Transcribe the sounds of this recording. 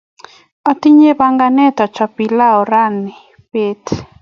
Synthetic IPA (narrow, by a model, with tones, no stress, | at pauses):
ɔ˨t̪i˦ɲe˦ba˦ŋɡa˦nɛ˦t̪ɔ˨t͡ʃɔ˨pi˨la˦ɔ˨ɾa˦ni˨ | pe˦t̪